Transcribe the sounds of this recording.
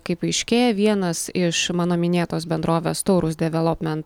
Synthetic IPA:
kɐɪpɐɪʃʲkʲeːjɛʋʲiɛnɐsɪʃmɑːnoːmʲɪnʲeːt̪oːsbʲɛnd̪ɾoːʋʲeːst̪oʊɾʊsd̪ʲɛʋʲɛlˠɔpʲmʲɛnt̪

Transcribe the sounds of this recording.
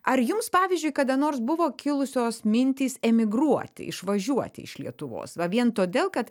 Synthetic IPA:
ʔɐɾjʊmspɑːʋʲɪzʲd͡ʒʲʊɪjkɐd̪ɐnoːrsbʊʋoːkʲʰɪlˠʊsʲoːsmʲɪnʲt̪ʲiːsɛmʲɪɡɾuɔt̪ʲɪ̰ʔɪ̰ʃʋɐʒʲuɔt̪ʲɪ̰ɪ̰ʃlʲiɛt̪ʊʋo̰ːsʋɐʋʲiɛnt̪oːd̪ʲeːlˠkɐt̪

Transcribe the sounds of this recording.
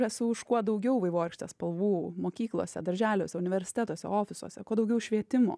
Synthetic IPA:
ɛsʊʊʃkuɔd̪ɐʊɡʲɛʊʋɐɪʋoːɾʲɪkʃʲt̪ʲɛspɐlˠʋuːmoːkʲiːklˠo̰ːsʲɛ̰d̪ɐɾʲʒʲæːlʲoːsʲɛʊnʲɪʋʲɛɾʲsʲɪ̥t̪ʲɛt̪oːsʲɛ̰oːfʲɪsṵɔsʲɛkuɔd̪ɐʊɡʲɛʊʃʲʋʲiɛt̪ʲɪmo̰ː

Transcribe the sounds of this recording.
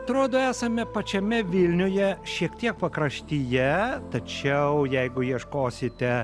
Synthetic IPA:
ɐt̪ɾoːd̪oːæːsɐmʲɛpɐt͡ʃʲɛmʲɛʋʲɪlʲnʲʊjɛʃʲiɛk̚t̪ʲiɛk̚pɐkɾɐʃʲt̪ʲijɛt̪ɐt͡ʃʲɛʊjɛɪɡʊjiɛʃkoːsʲɪt̪ʲɛ

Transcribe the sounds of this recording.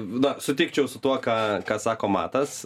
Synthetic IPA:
nɐsʊt̪ʲɪkt͡ʃʲɛʊsʊt̪uɔkɑːkɑːsɑːkoːmɑ̰ːt̪ɐs

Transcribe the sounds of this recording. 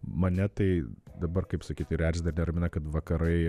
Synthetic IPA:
mɐnʲɛt̪ɐɪd̪ɐbɐrkɐɪpsɐkʲiːt̪ʲɪɾʲæːɾʲd͡ʒʲɪd̪ɐɾnʲɛɾɐmʲɪnɐkɐt̪ʋɐkɐɾɐɪ

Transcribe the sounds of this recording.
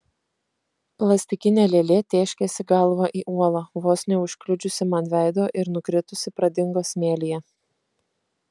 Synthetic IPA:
plˠɐsʲt̪ʲɪkʲɪnʲeːlʲelʲeːt̪ʲeːʃʲkʲesʲɪɡɐlˠʋɐʔiːʔuɔlˠɐʋoːsʲnʲɛʊʃʲklʲʊd͡ʒʲʊsʲɪmɐnʲʋʲæˑɪd̪oːʔɪɾnʊkɾʲɪt̪ʊsʲɪpɾɐd̪ʲɪŋɡoːsmʲeːlʲijɛ

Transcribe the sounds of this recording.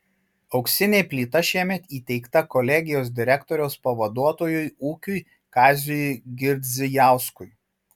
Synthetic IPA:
ɒʊksʲɪnʲeːpʲlʲiːt̪ɐʃʲiɛmʲɛt̪iːt̪ʲɛɪkt̪ɐkɔlʲɛɡʲɪjoːs̬d̪ʲɪɾʲɛkt̪ɔɾʲɛʊspɐʋɐd̪uɔt̪oːjʊjuːkʲʊj | kɑːzʲʊjɡʲɪɾʲd̪ʲzʲɪjɑˑʊskʊj

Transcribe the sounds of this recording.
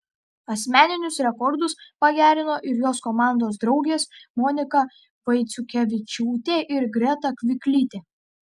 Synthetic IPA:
ɐsʲmʲæːnʲɪnʲʊsɾʲɛkɔɾd̪ʊspɐɡʲæːɾʲɪnoːʔɪɾjoːskɔːmɑˑnd̪oːsd̪ɾɒʊɡʲeːsmɔnʲɪkɐ | ʋɐɪt̪sʲʊkʲɛʋʲɪt͡ʃʲuːt̪ʲeːʔɪɾɡɾʲɛt̪ɐkʲʋʲɪkʲlʲiːt̪ʲeː

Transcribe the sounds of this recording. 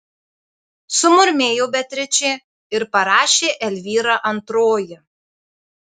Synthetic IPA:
sʊmʊɾʲmʲeːjoːbʲɛt̪ʲɾʲɪt͡ʃʲɛ | ɪɾpɐɾɑːʃʲeːʔɛlʲʋʲiːɾɑʔɐnt̪ɾoːjɪ

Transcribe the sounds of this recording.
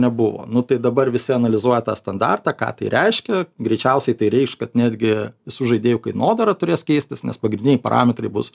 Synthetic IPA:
nʲɛbʊʋo̰ːnʊt̪ɐɪd̪ɐbɐrʋʲɪsʲɪɐnɐlʲɪzuɔjɛt̪ɑːst̪ɐnd̪ɑ̰rt̪ɑːkɑ̰ːt̪ɐɪɾʲɛɪʃʲkʲɛɡɾʲɛɪt͡ʃʲɛʊsʲɛɪt̪ɐɪɾʲɛɪkʃkɐt̪nʲæːd̪ʲɡʲɪʋʲɪsuːʒɐɪdʲeːjʊkɐɪnoːd̪ɐɾɐt̪ʊɾʲeːskʲɛɪsʲt̪ʲɪsnʲɛ̰spɐɡɾʲɪndʲɪnʲɛɪpɐ̰ɾʔɑ̰ːmʲɛt̪rɐɪbʊs

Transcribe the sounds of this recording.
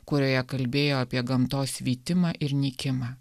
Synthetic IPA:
kʊɾʲoːjɛkɐlʲbʲeːjoːɐpʲiɛɡɐmt̪oːsʋʲiːt̪ʲɪmɑːʔɪɾnʲikʲɪmɑː

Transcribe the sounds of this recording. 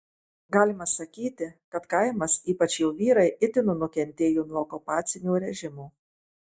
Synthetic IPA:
ɡɑːlʲɪmɐsɐkʲiːt̪ʲɪkɐt̪kɐɪmɐsiːpɐt͡ʃjɛʊʋʲiːɾɐɪʔɪt̪ʲɪnʊnʊkʲɛnʲt̪ʲeːjuːnuɔɔkʊpɑːt̪sʲɪnʲuːɾʲɛʒʲɪmuː

